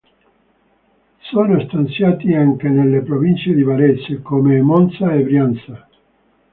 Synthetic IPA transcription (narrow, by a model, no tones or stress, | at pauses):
soːnost̪ant̪sjaːt̪iaŋkenelːepɾovint͡ʃed̪ivaɾesekomemɔnt̪saebɾjant̪sa